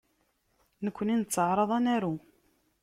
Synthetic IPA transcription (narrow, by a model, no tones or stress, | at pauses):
nəkʷːəninət͡sːəʕɾˤɑðˤɑnæɾu